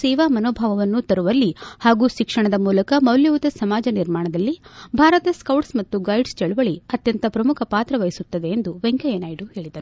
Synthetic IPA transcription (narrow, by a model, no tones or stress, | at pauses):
sɛːʋaːmɐnoːbʱaːʋɐʋɐnːut̪ɐɾuʋɐlːihaːɡuːʃikʂɐɳɐd̪ɐmuːlɐkɐmɐwljɐʋut̪ɐsɐmaːd͡ʒɐniɾmaːɳɐd̪ɐlːibʱaːɾɐt̪ɐskɐwʈsmɐt̪ːuɡɐjɖst͡ʃɛɭuʋɐɭiɐt̪jɐnt̪ɐpɾɐmukʰɐpaːt̪ɾɐʋɐjisut̪ːɐd̪e̞ːnd̪uʋeŋkɐjeːnaːjiɖuhe̞ːɭid̪ɐɾu